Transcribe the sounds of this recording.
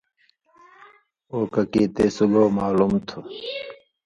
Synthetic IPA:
oːkɐkit̪eːsuɡoːmaːlumt̪ʰu

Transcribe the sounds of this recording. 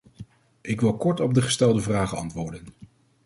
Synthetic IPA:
ʔɪkʋɪlˠkɔɹtɔb̚dəχə̥stɛlˠdəvraːχənɑ̰ntʋʊːɹdən

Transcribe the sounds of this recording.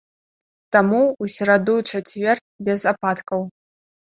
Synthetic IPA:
t̪amuːsʲɛɾad̪uʈ͡ʂat͡sʲvʲer | bʲɛzapat̪kɐw

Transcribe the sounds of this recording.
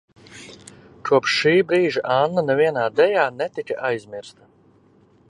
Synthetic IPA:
kʰuɔpʃːiːbɾiːʒaʔanːanɛviɛnaːd̪ɛjaːnɛt̪ikaʔajzʲmiɾst̪a

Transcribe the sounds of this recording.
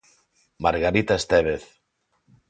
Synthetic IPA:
maɾɣaɾit̪aest̪eβeθ

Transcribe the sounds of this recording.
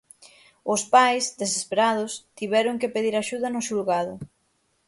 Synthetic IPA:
ʊspajsðesespeɾað̞ʊst̪iβɛɾʊŋkepeðiɾaʃuðɐnʊʃulɣaðʊ

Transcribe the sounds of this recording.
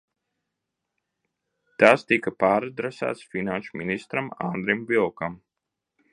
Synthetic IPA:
t̪aːst̪ikɐpaːɾad̪ɾɛsa̰ːt̪sfinanʃuminist̪ɾama̰nd̪ɾimvilˠkam

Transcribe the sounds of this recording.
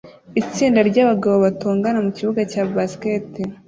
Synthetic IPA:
it͡siːndaɾɟaːβaɡaβo̞βatoːŋɡanamuciβuɡacaːbaskete

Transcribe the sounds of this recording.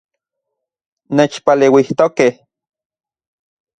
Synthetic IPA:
neːt͡ʃpaleːwiht̪okeh

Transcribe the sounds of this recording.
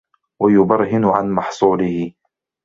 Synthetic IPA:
wajʊbɑɾˤhɪnʊʕanmɑħsˤuːlɪhɪ

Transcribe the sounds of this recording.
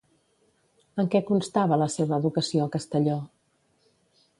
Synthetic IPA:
əŋkɛkunst̪aβələseβəːðukəsioəkəst̪əʎɔ

